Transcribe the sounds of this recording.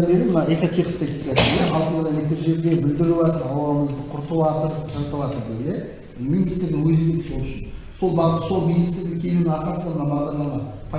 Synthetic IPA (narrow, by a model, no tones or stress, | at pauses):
beɾɪmənɑʔek̪ot̪ʰeχst̪ek̪ʲikad̪ej̪eɑlˠt̪əʁənɑlʲek̚t̪ɪɾʒe̞ɾɡ̪ʲe̞bɪld̪ɪɾɪwɑt̪əɾɑwɑlˠəməzd̪əqʰʊɾt̪əwɑt̪əɾʒɑɾt̪əlˠɑt̪əɾd̪ele | minijst̪ɾd̪ɪŋwɵzbekso̞lˠʏʃɪnso̞lˠbɑʁəso̞lˠminijst̪ɾd̪ɪŋkʲʰe̞lunɪɑqɑsəmənɑmɑʁɑnd̪ˠɑnɑpʰɑ